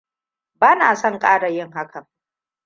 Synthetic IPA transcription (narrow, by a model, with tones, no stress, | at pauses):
baː˦naː˨sɔ˦˨ŋkʼaː˦ɽa˨jɪ˦ŋɦa˦kʰɐ˨